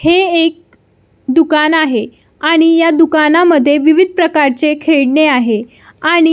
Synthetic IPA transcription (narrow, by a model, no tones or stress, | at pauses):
heek̚ | d̪ukanaɦe | aɽ̃ijad̪ukanaməd̪ʱːjeʋiʋid̪̚ʱpɾəkaɾt͡sekʰeɭɳeaɦe | aɽ̃i